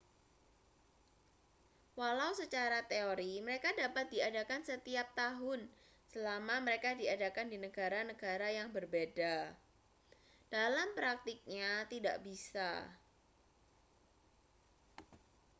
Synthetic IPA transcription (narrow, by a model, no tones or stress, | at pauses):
walauwsət͡ʃaɾat̪eoɾiməɾekadapat̪̚diadakansət̪iap̚t̪aɦʊn | səlamaməɾekadiadakandinəɡ̥aɾanəɡ̥aɾajaŋbərbeda | d̥alampɾak̚t̪ik̚ɲat̪ida̰ʔbisa̰